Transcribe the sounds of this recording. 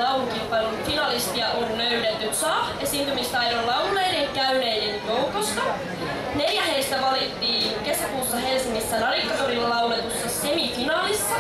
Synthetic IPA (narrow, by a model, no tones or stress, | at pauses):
ɑuuŋkimpɑnonut̪finɑlist̪iɑʔonløynet̪ːysɑːhesiːnt̪ymist̪ɑjɾollɑuwnːejdeŋkæyne̞jdenjowkost̪ɑ | ne̞ljæheist̪æʋɑlit̪ːiːŋke̞sækuːsːɑɦe̞lsiŋːisːænɑlikːɑt̪orillɑwnet̪usːɑse̞mifinɑːlisːɑ